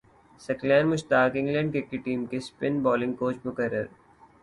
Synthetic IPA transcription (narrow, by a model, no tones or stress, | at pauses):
sɐklɛ̃ːnmʊʃt̪aːkɪ̃ŋɡlɛ̃ːɳɖ̚kekiʈiːmkespɪnbɔːlɪ̃ŋɡkoːt͡ʃmʊkəɾːə̰ɾ